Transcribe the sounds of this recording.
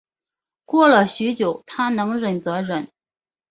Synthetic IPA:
kwɔ˥˩lə˨ɕy˧˥t͡ɕjo˨˩˦ʊt̪ʰa˥nɤ˧˥ŋɻə˨˩nt͡sɤ˧˥ɻə˨˩˦n

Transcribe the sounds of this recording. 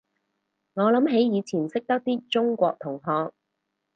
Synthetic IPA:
ŋɔː˨˧lɐ˨˥mɦe˨˥jjiː˨˧t͡sʰiː˨˩nsɪ˥k̚t̪ɐ˥k̚t̪iː˥t͡sʊ˥ŋkʷɔː˧k̚t̪ʰʊ˨˩ŋɦɔː˧k̚

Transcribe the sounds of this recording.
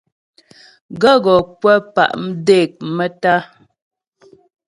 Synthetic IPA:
ɡə˦ɡɔ˨pwə˦pa̰˨ʔm̩˦de˦˨k̚mə˦ta˦

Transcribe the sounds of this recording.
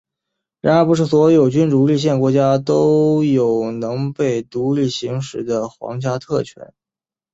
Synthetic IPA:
ɻa˧˥nə˧˥pu˧˥ʂ̬ɻ̩˥˩swɔ˧˥jo˨˩ʊt͡ɕy˥nʈ͡ʂu˧˥li˥˧ɕ̬jɛ˥˩nkwɔ˧˥t͡ɕja˥t̪o˥ʊjo˨˩ʊnɤ˧˥ŋpe˥˩ɪt̪u˧˥li˥˩ɕi˧˥ŋʂɻ̩˧˥d̪ə˧xwɑ̰˧˥ŋt͡ɕja˥t̪ʰɤ˥˩t͡ɕʰɥɛ̰˧˥n

